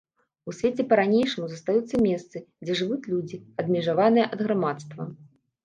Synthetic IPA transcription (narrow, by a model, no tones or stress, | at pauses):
usʲvʲet͡sʲɛpɐɾanʲejʂɨmuzɐst̪ajut̪sːɐmʲɛst̪sɨd͡zʲɛʐɨvut͡sʲlʲud͡zʲiɐd̪mʲɛʐavanɨjɛʔɐd̪ɣɾamat̪st̪vɐ̰